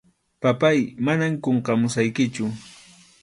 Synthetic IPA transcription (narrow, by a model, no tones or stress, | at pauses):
papajmanamkoɴqɑmʊsajkɪt͡ʃʊ